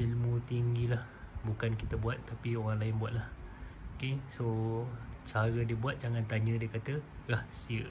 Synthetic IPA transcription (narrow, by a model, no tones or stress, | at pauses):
filmũt̪iŋɡilah | bukankit̪əbuat̪ːapioɣaŋlaɪnbuat̪̚lahokeso | t͡ʃaɾədiəbuat̪̚d͡ʒaŋant̪aɲə̃diəkat̪ərahsiə